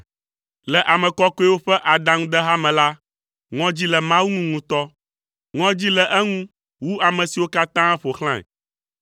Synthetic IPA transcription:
lɛ˨ʔa˨mɛ̃˨kɔ˦kɔ˦ɛ˦wo˦ɸɛ˦ʔa˨d̪a˦ŋũ˦d̪ɛ˦ɦa˦mɛ̃˨la˦ | ŋɔ̃˦d͡ʑi˦lɛ˨mã˦wu˦ŋũ˦ŋũ˨t̪ɔ˦ | ŋɔ̃˦d͡ʑi˦lɛ˨ʔɛ˦ŋũ˦ | wu˦a˨mɛ̃˨si˨wo˦ka˦t̪ã˦ɛ˦ɸo˨xl̃ã˦ɛ̰˨

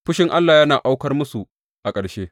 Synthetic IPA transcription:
ɸʊ˦ʃɪ˦ŋʔa˦lːaː˨jɐ˦naː˨ʔa˦wkɐ˦rmʊ˦su˨ | ʔa˨kʼɐ˨ɽʃeː˦

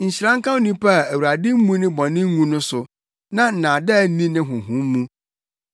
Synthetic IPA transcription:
ɲ̩˨ɕi˨ɾã˦ŋ˦kã˦nĩ˦pʰa˦˨æ˨wa˨dɪ˦m̩˦mũ˦nɪ̃˦bɔ̃˨nɪ̃˦ŋũ˦nʊ̃˦sʊ˨ | nã˦n̩˨nã˨dɛ˦˨˦nĩ˦nɪ̃˦ɦʊ̃˨ɦʊ̃˨˦m˦mũ˦

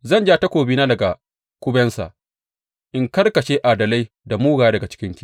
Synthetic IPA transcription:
zɐ˦˨nd͡ʒaː˦ta˦kʷoː˨biː˦naː˦dɐ˨ɡa˨ | kʷʊ˦bɛ˦nsa̰˨ʔ | ʔɪ˦ŋkɐ˦rkɐ˨ʃeː˦ʔaː˨dɐ˨la˦j | da˨muː˦ɡaː˨ja˦dɐ˨ɡa˨t͡ʃɪ̥˦kʲɪ˦nkʲiː˦

